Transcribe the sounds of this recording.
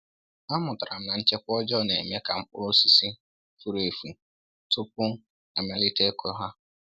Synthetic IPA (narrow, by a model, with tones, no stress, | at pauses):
a˦mʊ˨ta˨ɾa˨m̩˦na˨n̩˦t͡ʃe˦kʷɔ˦d͡ʒɔ˦ne˨mje˦ka˨m̩˦k͡pʊ˦o˦si˦si˦ | fu˦ɾe˨fu˨ | tʊ˦pʊ˦ | a˨ma˦li˦te˦kʰo˦ɦa˦